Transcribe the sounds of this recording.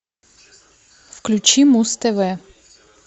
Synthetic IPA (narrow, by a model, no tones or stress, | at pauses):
fklʲʊt͡ɕimust̪ɛvɛ